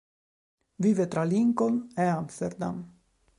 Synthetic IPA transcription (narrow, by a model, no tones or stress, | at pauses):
viːvet̪ɾaliŋkoneamst̪eɾd̪a̰m